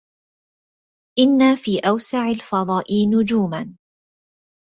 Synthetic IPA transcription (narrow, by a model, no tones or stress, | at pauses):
ʔɪnːaːfiːʔawsaʕalfɑd̪ˤɑːʔiːnʊd͡ʒuːman